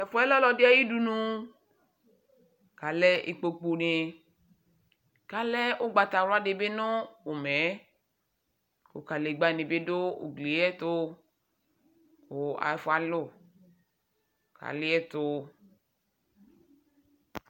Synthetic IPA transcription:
ɛ˨fɔ˦ɛ˦lɔ˦lɔ˧dɪ˦a˦ji˦du˧nũ˧ | ka˨lɛ˦ʔḭ˧k͡po˧k͡po˧ne˧ | ka˨˦lɛ˦ʊ˦ɡ͡ba˧ta˨ɾʊ˦a˦de˧be˦nʊ̃˦o˨mɛ˨˦ | ko̰˨ka˨le˨ɡ͡ba˧˨nĩ˨be˦do˦o̰˨ɡle˨˦ɛ˦to˧ | ko˨a̰˨˧˨fɔ˧˦a˨lʊ˦˨ | kʰa̰˨lɪ˦ɛ˦to˧

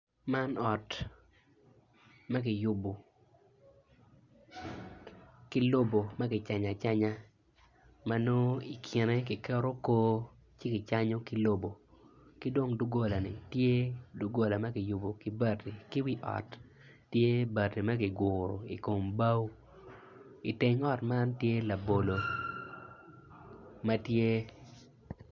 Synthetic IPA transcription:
ma˦nɔ˨t | mɐ˦k̬ɪ˨jʊ˦bo˨ | kɪ˦lo˦bo˨mɐ˦kɪ˨t͡ʃa˨ɲa˨t͡ʃa˦ɲa˦ | ma˦no˦i˨kʰɪ˨ne˦kɪ˨kɛ˦ɾo˦koː˦ | t͡ʃɪ˦kɪ˨t͡ʃa˦ɲo˦kɪ˦lo˦bo˨ki˦do˦ŋdu˦ɡo˦la˨nɪ̰˨tje˦du˦ɡo˨la˨mɐ˦kɪ˨ju˨bo˨ki˦ba˦˨ti˨ki˦wi˦ʔɔ̰˨tː | je˦ba˨ti˨mɐ˦kɪ˨ɡʊ˨ɾo̰˨ḭ˨ko˨mba˦w | i˨te˦ŋɔ˦tma˦ntje˦la˨bo˨lo˨ | mɐ˦tje˦

